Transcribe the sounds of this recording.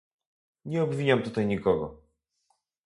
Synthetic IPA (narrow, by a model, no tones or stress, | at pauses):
ɲɛɔbvʲiɲamt̪ut̪ajɲikɔɡɔ̰